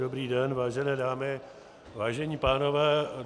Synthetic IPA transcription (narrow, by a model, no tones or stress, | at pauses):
obɾiːdɛnvaːʒɛnɛːdaːmɪ | vaːʒɛɲiːpaːno̞vɛː